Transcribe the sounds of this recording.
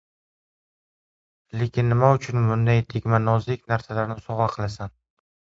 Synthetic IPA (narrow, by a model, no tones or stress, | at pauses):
le̞kʲʰɪnːɪmaʊt͡ʃʰʊnmʊnd̪ajt̪ʰeɡʲmanɒzɪkʲnaɾsalaɾnɪsɒʁɑqʰɨlˠasan